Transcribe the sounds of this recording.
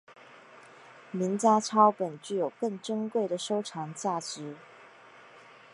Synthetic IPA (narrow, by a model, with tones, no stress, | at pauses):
mi˧˥ŋt͡ɕja˥ʈ͡ʂʰɑ˥ʊpə˨˩nt͡ɕy˥˩jo˨˩ʊkɤ˥˩ŋʈ͡ʂɤ˥ŋkwe˥˩ɪd̪ə˩ʂo˥ʊʈ͡ʂʰɑ˧˥ŋt͡ɕja˥˩t͡sɻ̩˧˥˦